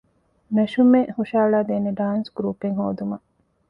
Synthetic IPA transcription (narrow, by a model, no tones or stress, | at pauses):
meʃumehuʃaːɭaːd̪eːneɖaːnsɡɾuːpeŋɦo̰ːd̪umɐ